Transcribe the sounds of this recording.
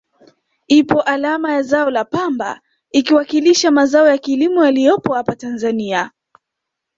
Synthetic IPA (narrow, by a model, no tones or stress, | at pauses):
ipɔʔalamajazaɔlapamba̰ | ikiwakiliʃamazaɔjakilimujalijɔpɔhapatanzania